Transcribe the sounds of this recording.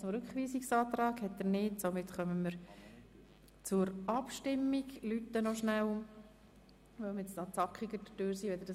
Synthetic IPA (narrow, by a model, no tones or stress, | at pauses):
t͡sʊmɾʉkχʋiːsiksɑːt̪ɾɑːkhɛt̚dənɪːtsomɪt̪χœməməɾ | t͡sʊɾʔɑpʃtɪmːiɡlytːənoʃnæw | ʋəmɛt͡stɑt͡sɑkχiɡəd̥ətøːɾsiːʋɛd̪əd̥